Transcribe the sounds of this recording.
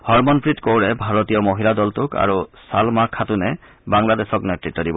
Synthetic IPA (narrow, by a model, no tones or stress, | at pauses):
hɔɹmɔnpɹitkowɹɛbʱaɹɔt̪ijɔmoɦilad̪ɔltʊka̰ɹusalmakʰːatunɛ | baŋlad̪esɔknetɹitːɔdibɔ